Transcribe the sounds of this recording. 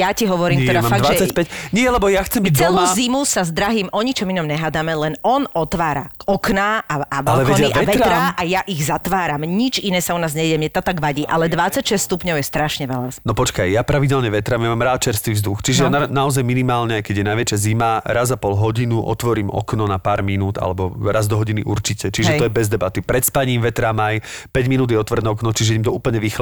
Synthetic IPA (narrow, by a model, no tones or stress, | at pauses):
jaciɦɔʋɔɾiːmɛd̪amafad̪at͡sːacpɛcɲɪɛlɛbɔjaxt͡sɛmbit͡sɛluzimusazd̪ɾaɦiːmʔɔɲit͡ʃɔminɔmɲɛɦad̪amɛlɛnɔnɔt̪ʋaːɾaɔknaaaʋalɛʋɛɟɛiʔaɛʋɛtaɾaʔajaʔiɣzat̪ʋaːɾamɲit͡ʃinɛːsaɔnaːzɲɛɟɛjɛmɲɛt̪ɔt̪aɡʋaɟiːʔalɛd̪ʋat͡sacʃɛst̪st̪upɲɔʊjɛst̪ɾaʃɲɛʋɛʎanɔpɔt͡ʃkajjapɾaʋiɟɛlɲɛʋɛt̪ɾamjamaːmɾaːt̪̚t͡ʃɛɾst̪ʋiːvzd̪uxt͡ʃiʒɛnanaɔzajminimaːlɲɛajkɛɟjɛnajʋɛt͡ʃazimaɾazapɔlɦɔɟinuʔɔ̰t̪ʋɔɾiːmɔ̰knɔnapaːɾminuːd̪a̰lɛbɔɾazd̪ɔɦɔɟiniʔuɾt͡ʃicɛt͡ʃiʒɛt̪ɔjɛbɛzd̪ɛbat̪ipɾɛt̪spaɲiːmʋɛt̪ɾamajpɛɟminuːd̪jɛɔt̪ʋr̩d̪ɛɔknɔt͡ʃiʒɛɛɛimt̪ɔuːpl̩ˠɲɛʋixl